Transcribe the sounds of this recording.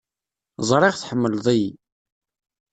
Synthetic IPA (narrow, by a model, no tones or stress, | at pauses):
zˤɾˤɪʁθħəmːəlðˤiji